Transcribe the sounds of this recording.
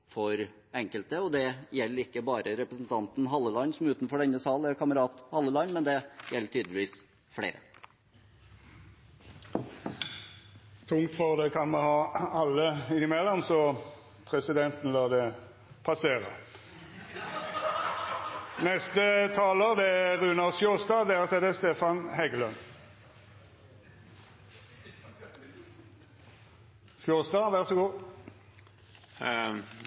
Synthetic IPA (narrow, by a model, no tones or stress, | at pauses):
fɔɾ | ɛŋkəlt̪əɔd̪ɛjɛlːəɾɪkːəbɑːɾəɾɛpɾəsn̩t̪ʰɑnt̪n̩ɦɑlːəlɑnːsɔmʉːt̪n̩fɔɖɛnːəsɑːl̩æɾkʰɑməɾɑːt̪hɑlːəlɑnːmɛnd̪ɛjɛlːəʈʰyːd̪lɪʋiːs | fɽḛːɾə̰ | t̪ʰʊŋt̪fɔʁd̪ɛkʰɑnmɛhɑːɑlːəɪnɪmɛlːɔmsɔ | pʰʁɛsɪd̪ɛnt̪n̩lɑːd̪ɛ | pʰɑseːʁə̰ | nɛst̪ət̪ʰɑːləd̪ɛæʁʉːnɑsjuːʁst̪ɑːd̪ɛæʁt̪ʰeːd̪eːst̪eːfɑnhɛɡəlœn | fjuːʁsd̪ɑːʋæʁsɔɡuː